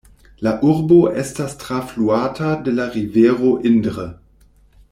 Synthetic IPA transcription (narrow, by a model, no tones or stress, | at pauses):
laʔuʁboʔɛstastʁ̥afluaːtʰadelaʁiveːʁoʔɪndʁə